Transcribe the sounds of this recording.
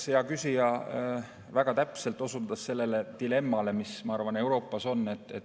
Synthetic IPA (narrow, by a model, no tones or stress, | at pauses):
sejɑkysijɑ | væɡ̥ɑt̪æpse̞lt̪ːˑo̞sud̪ɑsːe̞lːe̞le̞t̪ile̞mːɑle̞mismɑɑrvɑne̞wɾo̞ːpːˑɑso̞nːe̞t̪ːˑet̪